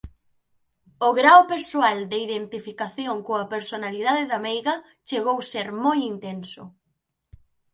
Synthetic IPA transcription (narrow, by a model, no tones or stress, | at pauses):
ʊɣɾawpeɾsoald̪ɪiðent̪ifikaθjoŋkoɐpeɾsonalið̞aðɪðamejɣɐ | t͡ʃeɣowseɾmojint̪ensʊ